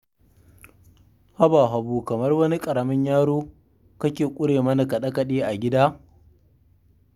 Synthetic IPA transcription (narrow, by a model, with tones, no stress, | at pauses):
ha˦baː˨ɦa˨buː˨kɐ˨mɐ˦rwɐ˦ni˦kʼɐ˨ɽɐ˨mɐ˦ɲjaː˦ɽoː˦ | kɐ˦kʲeː˨kʷʼʊ˦ɽeː˨mɐ˦na˨kɐ˨ɗɐ˦kɐ˨ɗiː˦ʔa˨ɡʲɪ˦daː˦